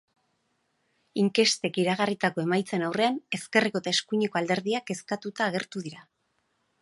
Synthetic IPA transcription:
iŋke̞st̪e̞kiɾaɣ̞arit̪ako̞e̞majt͡se̞nawre̞ane̞ske̞riko̞et̪aeskuɲeko̞ald̪e̞ɾðiake̞skat̪ut̪aːɣ̞e̞ɾt̪uðiɾa

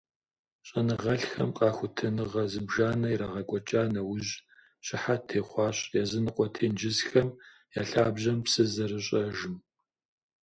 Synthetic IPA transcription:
ɕʼɐnɨʁɐɬxɐ̰mqʼɑːxʷʊtʰɐnɨʁɐzɨbʒaːnɐjɾaʁɐkʷʼɔt͡ʃʼaːnɐwʊʑ | ɕʼɪħatʰeːχʷɑːɕjaːzɨnɨqʷʼɔtʰeːnd͡ʒɪzxɐm | ja̰ːɬaːbʑɐmpsɨzɐrɨɕʼɐʒɪm

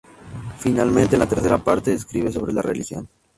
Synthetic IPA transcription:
finalmẽnt̪enlat̪e̞ɾθe̞ɾapaɾt̪eeskɾiβe̞so̞βɾe̞larelixjo̞̰n

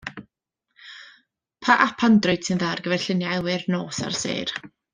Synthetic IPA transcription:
pʰaʔapʰandrʊjd̥sɪnðarɡəvɛrɬɪnjaɛwɪrnoːsa̰rsḛːr

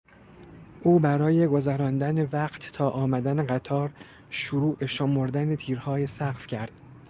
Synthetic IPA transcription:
ʔuːbæɾɒːje̞ɡo̞zæɾɒːnd̪ænevæqt̪ːʰɒːʔɒːmæd̪æneɢæt̪ʰɒːɾ | ʃuɾuːʔeʃomoɾd̪ænet̪ʰiːɾhɒːjesæqfcʰæɾd̪̥

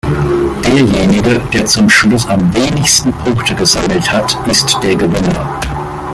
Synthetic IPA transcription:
d̥eːɐjeːnɪɡəd̥eːɐt͡sʊmʃlʊsamveːnɪçstn̩pʰʊŋktʰəɡəzaml̩thatʔɪstd̥eːɐɡəvɪnɐ̰

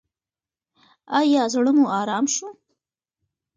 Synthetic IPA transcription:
ɑjɑzɽəmuɑɾɑːmʃu

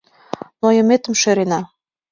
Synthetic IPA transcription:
nojɤ̆met̪ə̆mʃeɾenɑ

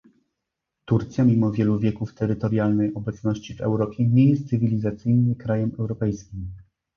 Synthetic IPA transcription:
t̪uɾt̪sʲjamʲimɔvʲjɛluvʲjɛkuft̪ɛɾɘt̪ɔɾʲjalnɛjɔbɛt̪snɔɕt͡ɕivɛ̰wɾɔpʲjɛɲejɛst̪sɘvʲilʲizat̪sɘjnɘkɾajɛmɛwɾɔpɛjskʲim

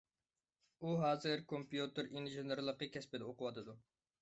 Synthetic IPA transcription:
uɦɑːzɨɾkʰompjut̪ɨɾinʒenɨɾlˠəqːəkʲʰɛspɪd̪ɛoqʊwɑt̪ʰɨd̪u

